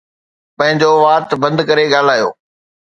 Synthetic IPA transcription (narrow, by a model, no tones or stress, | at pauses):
pɐ̃ɦɪ̃ɲd͡ʑoːʋaːt̪bɐ̃nd̪kɐɾeɠaːl̤aːjo̰ː